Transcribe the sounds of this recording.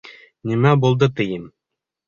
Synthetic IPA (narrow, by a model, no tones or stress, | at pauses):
nimæbulˠd̪ɤt̪ɘ̆jɘm